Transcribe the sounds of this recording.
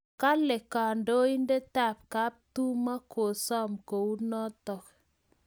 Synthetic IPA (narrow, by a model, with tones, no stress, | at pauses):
ka˦lɛ˨ka˨ndo˦i˦nde˦ta˦˨p̚ka˨˦p̚tu˦ma˦kʰo˨sɔ˦mko˨u˦nɔ˦t̪ɔ˨k